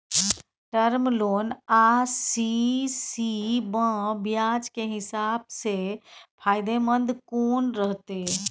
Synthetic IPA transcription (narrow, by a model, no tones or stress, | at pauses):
ʈəɾmloːnasisibə̃bjad͡ʒkeɦɪsaːb̚sepʰaːjd̪emənd̪ʱkoːnɾəɦt̪e